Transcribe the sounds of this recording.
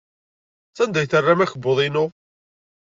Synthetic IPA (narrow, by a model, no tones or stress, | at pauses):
θænd̪æjθərːæmæçəbːoðˤinʊ